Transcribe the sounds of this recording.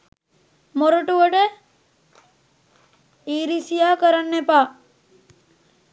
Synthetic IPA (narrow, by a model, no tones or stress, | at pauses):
moɾəʈuʋəʈə | iːɾisijaːkəɾanːepaː